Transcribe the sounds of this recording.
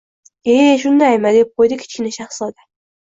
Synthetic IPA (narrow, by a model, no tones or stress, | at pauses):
eʃ̬ʊnd̪ajmad̪ep̚qʰojd̪ɪkʲʰɪ̥t͡ʃkʲɪnɪʃaχsɒd̪a